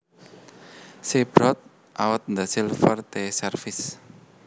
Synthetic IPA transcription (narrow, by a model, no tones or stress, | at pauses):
seb̥ɾɔt̪̚ | ʔawət̪̚nd̪asilfərt̪esɛrfɪs